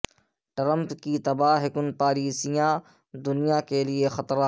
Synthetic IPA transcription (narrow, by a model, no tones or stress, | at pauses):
ʈɾə̃mpkit̪ɐbaːɦɪkʊnpaːɾiːsijã | d̪ʊnijakeliexɐt̪ɾã